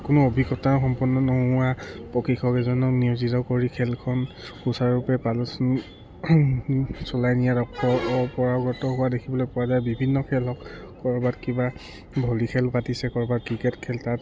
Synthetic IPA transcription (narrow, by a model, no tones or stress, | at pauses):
kʊnʊobʱikɔtaxɔmpɔnːɔnɔɦʊwapɔkikʰɔkɛzɔnɔkniuzitɔkoɹikʰɛlkʰɔn | xusaɹupɛpalɔs | sɔlajnijatɔɔpɔɹaɡɔtɔɦʊwadekʰibɔlojpʊwazajbibʱinːɔkʰɛlɔk | kɔɹbatkiba | bʱɔlikʰɛlpatisɛkɔɹbat̚kɹikɛtkʰɛltat